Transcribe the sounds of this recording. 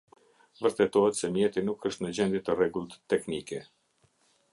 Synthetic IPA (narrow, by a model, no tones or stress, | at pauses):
vəɾt̪ɛt̪ɔɦɛt̪sɛmjɛt̪inukʰːəʃt̪nəd͡ʑɛnd̪jɛt̪ərɛɡulˠt̪t̪ːɛknikɛ